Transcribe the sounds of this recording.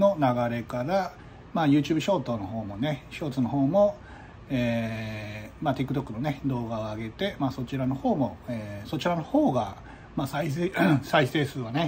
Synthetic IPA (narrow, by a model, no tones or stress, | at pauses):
no̞naɡaɾe̞kaɾa | maːjɯ̟ːt͡ɕɨːbɯ̟ɕo̞ːt̪o̞ːno̞ɦo̞ːmo̞ne̞ɕo̞ːt͡sɨno̞ɦo̞ːmo̞ | eː | maːt̪ekɯ̟t̪o̞kːɯ̟no̞ne̞d̪o̞ːɡao̞aɡe̞t̪e̞maːso̞t͡ɕiɾano̞ho̞ːmo̞eːso̞t͡ɕiɾano̞hoːɡa | maːsaisaise̞ːsɨːβane